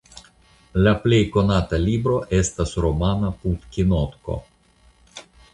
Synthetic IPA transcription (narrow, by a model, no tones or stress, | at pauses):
laple̞jko̞nat̪alibɾo̞ʔe̞st̪asɾomanaput̪kʲinot̪ko̰